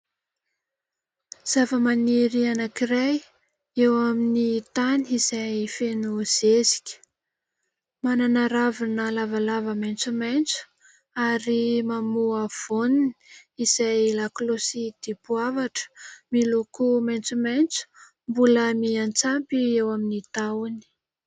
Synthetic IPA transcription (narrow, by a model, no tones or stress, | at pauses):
z̥avəmaniɾianakiɾaj | ewaminit̪aniiz̥ajfenuz̥ezi̥kʲə̥ | mananaɾavinəlavalavəmant͡sumajnt͡su̥ | aɾimamuav̥onini̥iz̥ajlaklosid̪̥ipuavaʈ͡ʂə̥milukumajnt͡sumajnt͡su̥ | mbuləmiant͡sampiewaminit̪awni̥